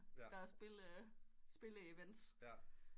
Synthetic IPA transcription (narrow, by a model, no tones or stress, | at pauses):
d̥ɑ̈sb̥e̝l | sb̥e̝ləeʋen̰d̥s